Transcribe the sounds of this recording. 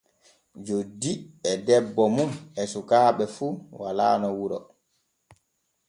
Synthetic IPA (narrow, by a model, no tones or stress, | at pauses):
d͡ʒodːiɛdɛbːɔmunɛsukaːɓɛfuwa̰la̰ːnɔwuɾɔ̰